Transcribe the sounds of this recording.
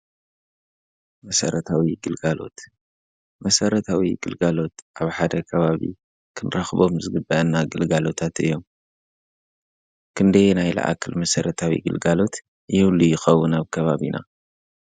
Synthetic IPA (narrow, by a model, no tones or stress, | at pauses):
mɐsɐ̰ɾɐt̪ʰawiɡɨlɡalo̞̰t̪ | mɐsɐɾɐt̪ʰawiɡɨlɡalo̞t̪ʔaβħad̪ɐkʰɐβaβḭ | kʰɨnɾɐxbo̞mzɨɡɨbːɐʔɐnːaɡɨlɡalo̞t̪ʰat̪ɨ̰jːo̞m | kʰɨnd̪ɐjnajlɐ̰ʔa̰kʰɨlmɐsɐɾɐt̪ʰawḭɡɨ̰lɡalo̞t̪ | jɛwlujɪxɐwːunaβkʰɐβaβina̰